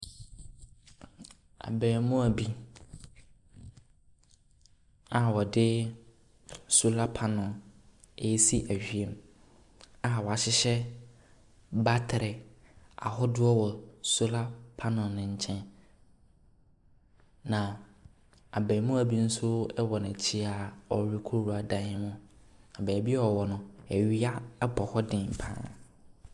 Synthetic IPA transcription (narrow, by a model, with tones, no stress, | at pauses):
a̰˨bɛː˨mʊ̃˦æ˨bi˦ | a˨wɔ˨dɪ˦ | su˦la˦pʰa˦nʊ̃˨ | e˨˦si˦ʔæ˨ɕᶣɥe˨m | a˨wɔ˨a˨ɕɪ˦ɕɛ˦ | ba˦tʰɪ˨ɾɪ˨a̰˨ɦɔ˦dʊ˦ɔ˦wɔ˨su˦la˦pʰa˦nʊ̃˨nʊ̃˨ɲ̩˨t͡ɕʰɛ̃˦n | nã˨ | a˨bɛ˨mʊ̃˦æ˨bi˦n̩˦sʊ˦ɛ˦wɔ˨nʊ̃˨t͡ɕʰi˦a˨ɔ˨ɾi˦kʰʊ˦ɾu˨a˨dã˦nɪ̃˦mʊ̃˦a˨bɛ˨˦bi˦ɛ˦ɔ˨wɔ˨nʊ̃˨ɛ˨ɥi˦a˦bɔ˨hɔ˦dɪ̃˨m˨pʰã̰ː˦